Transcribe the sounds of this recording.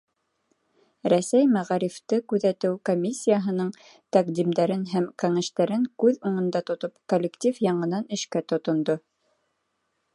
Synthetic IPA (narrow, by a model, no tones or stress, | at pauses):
ɾæsæjmæʁɑɾift̪ɤkʉðæt̪ɘwkomʲisʲːijaɦɤ̆nɤɴ | t̪æqd̪imd̪æɾɘnɦæmkæŋæ̆ʃt̪æɾɘŋkʉðuɴɤ̆nd̪ɑt̪ŏt̪opkolʲːekt̪ʲifjɑɴɤ̆nɑnɘ̆ʃkæt̪ŏt̪ŏnd̪o